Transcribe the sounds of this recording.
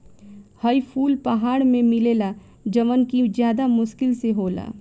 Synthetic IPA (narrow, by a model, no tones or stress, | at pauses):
həipʰuːlpəɦaːɽmẽmɪleːla | d͡ʒəʋənkizjaːd̪amʊʃkɪlseɦoːla̰ː